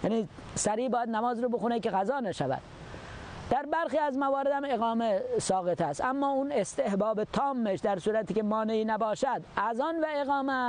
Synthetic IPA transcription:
jæniː | sæɾiːbɒːjæd̪næmɒːzɾoːbexunekeɣæzɒːnæʃævæ̰d̪̥ | d̪̥æɾbæɾxiːæzmævɒːɾed̪hæmeɣɒːmesɒːɣet̪ʰæst̪æmːɒːuːnest̪ehbɒːbet̪ʰɒːmːeʃd̪æɾsuːɾæt̪ʰiːkemɒːneiːnæbɒːʃæd̪ʔæzɑːnvæeɣɒːmæ

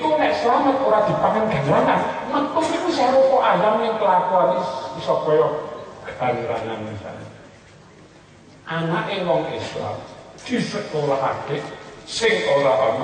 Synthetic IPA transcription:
konɛʔsəlamət̪oɾad̪̥i̤paŋanɡ̥a̤ŋɾaŋanmət̪ʊsikusaɾopɔʔajamɪŋkəlakuanesɔpɔjɔɡ̥əd̥aŋɾa̰ŋanmisa̰n̰ | ʔanaʔewɔŋisla̰md̪̥i̤sət̪̚oɾaɦakesɪŋolaam

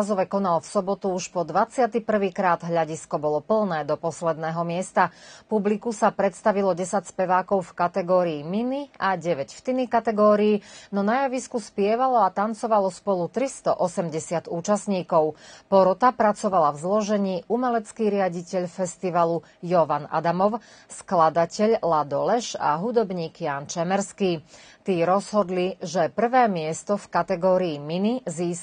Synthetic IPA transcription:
zɔʋɛkɔnalfsɔbɔt̪uuʃpɔd̪ʋat͡sɪat̪ipr̩ʋiːkɾaːd̪ɦʎaɟiskɔbɔlɔpl̩nɛːd̪ɔpɔslɛd̪nɛːɦɔmɪɛst̪apublikusapɾɛt̪st̪aʋilɔɟɛsacspɛʋaːkɔʊfkat̪ɛɡɔːɾiːminiaɟɛʋɛcft̪inikat̪ɛɡɔːɾiːnɔnajaʋiskuspɪɛʋalɔat̪ant͡sɔʋalɔspɔlut̪ɾist̪ɔʔɔsɛmɟɛsɪat̪uːt͡ʃasɲiːkɔʊpɔɾɔt̪apɾat͡sɔʋalavzlɔʒɛɲiːumɛlɛt͡skiːɾɪaɟicɛʎfɛst̪iʋalu | jɔʋana̰d̪amɔʊ | sklad̪acɛʎlad̪ɔlɛʃa̰ɦud̪ɔbɲiːkjaːnt͡ʃɛmɛɾskiː | t̪iːɾɔzɦɔd̪liʒɛpr̩ʋɛːmɪɛst̪ɔfkat̪ɛɡɔːɾiːminiziːs

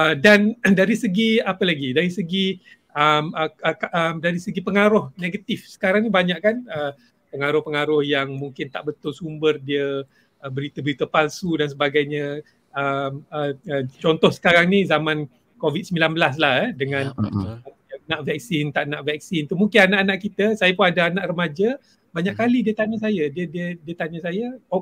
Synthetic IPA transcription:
ədandaɾisəɡiapəlaɡidaɾisəɡi | əməəkaʔəmdaɾisəɡipəŋaɾʊhneɡat̪ifsə̥kaɾaŋnibaɲaʔkanə | pəŋaɾʊhpəŋaɾʊhjaŋmuŋkɪnt̪a̰ʔbət̪ʊlsumbərdiə | əbəɾit̪əbəɾit̪əpalsudans̬əbaɡajɲə̃ | əməət͡ʃɔnt̪ɔhsə̥kaɾaŋnĩzamãn | kovit̪̚səmbilanbəlas̬lahɛdəŋãn | anaʔvɛk̚sɪnt̪aʔnaʔvɛk̚sint̪umuŋkɪnanaʔanaʔkit̪əsajapʊnadaanaʔrəmad͡ʒa | baɲaʔkalidiət̪aɲəs̬ajadiədiədiət̪aɲəsaja

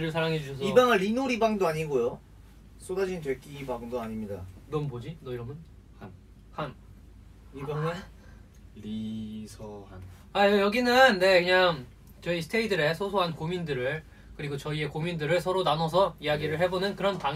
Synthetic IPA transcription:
ɾɯɭsʰaɾaŋɦed͡ʑuɕʰʌs̬ʰibaŋɯɭːinoɾibaŋdoaɲiɡojo | s͈odad͡ʑint͡ɕʌk͈iibaŋdoaɲimɲidanʌmbod͡ʑinʌiɾʌmjʌn | han | han | ibaŋɯ | ɾisʰʌhan | aʌjʌɡinɯnːe̞kɯɲaŋ | t͡ɕʌisʰɯ̥tʰeidɯɾe̞sʰosʰoɦankomindɯɾɯɭ | kɯɾiɡot͡ɕʌie̞komindɯɾɯɭsʰʌɾonanʌs̬ʰʌijaɡiɾɯɭɦe̞bonɯnkɯɾʌntaŋ

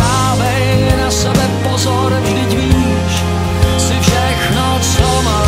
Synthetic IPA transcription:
aːvɛjnasɛbɛpozoɾʒdɪcviː | ʃ | sɪfʃɛxnot͡soma

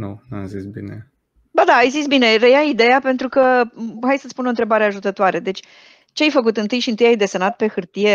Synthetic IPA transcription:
nṵnua̰mzisbḭnḛ | bad̪aːjzitsbine̞rejaid̪e̞jape̞nt̪ɾukəɦajsət̪sʲpuno̞nt̪ɾe̞baɾeaʒut̪ət̪oaɾe̞d̪e̞t͡ʃʲ | t͡ʃeajfək̬ut̪ɨnt̪ɨjʃiɨnt̪ɨjajd̪e̞senat̪̚pe̞xɨrt̪ije̞

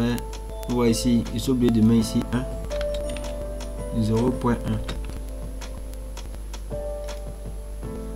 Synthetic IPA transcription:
ɛ | waisiisobedimaisiʔã | zoɣʊpwɛʔa

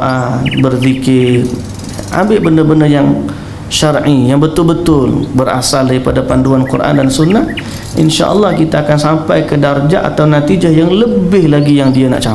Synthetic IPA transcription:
anbərðikɪr | ʔa̰mbɪʔbəndəbəndəjaŋ | ʃarʔijaŋbət̪ʊlbət̪ʊlbəɾa̰saldaɾipadapanduankurʔa̰ndansunːah | ʔḭnʃa̰ʔə̰lːɑhkit̪aːkansampajkədard͡ʒaʔa̰t̪awnat̪id͡ʒahjaŋləbɪhlaɡijaŋdiana̰ʔt͡ʃa

